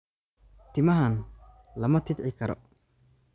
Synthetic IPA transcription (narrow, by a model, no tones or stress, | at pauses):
t̪ʰɪmɐɦɐn | lɐmɐt̪ʰɪd̪ʕɪkʰɐɾɔ̰